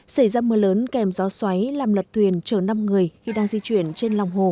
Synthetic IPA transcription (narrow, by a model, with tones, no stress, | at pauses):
sa˧˩jzaː˧məː˨˦ləː˨˦nkɛ˨˩mzɔ˨˦swa˨˦jlaː˨˩mlə˨˩t̚t̪ʰwi˨˩ənt͡ɕəː˧˩na˧mŋɨ˨˩əjxi˧ɗaː˧ŋzi˧t͡ɕwi˧˩ənt͡ɕe˧nlwŋ͡mɦo˨˩